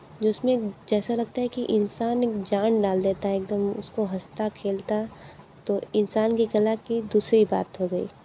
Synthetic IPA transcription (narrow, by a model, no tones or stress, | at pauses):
d͡ʒɪsmẽd͡ʒɛːsalɐɡ̚t̪aɦɛkiʔɪnsaːneːkd͡ʒaːnɖaːld̪eːt̪aɦɛeːk̚d̪əmʊ̰skoɦɐst̪akʰeːlt̪a | t̪oɪnsaːnkikɐlakid̪uːsɾiba̰ːt̪ɦoɡɐḭː